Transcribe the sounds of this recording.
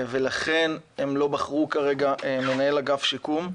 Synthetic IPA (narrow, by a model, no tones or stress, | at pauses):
ve̞laχe̞nemlo̞baχʁukaʁe̞ɡaʔeme̞nae̞laɡafʃikum